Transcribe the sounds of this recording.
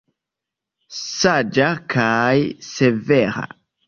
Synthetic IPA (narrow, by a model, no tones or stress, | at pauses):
sad͡ʒakʰajseveɾa̰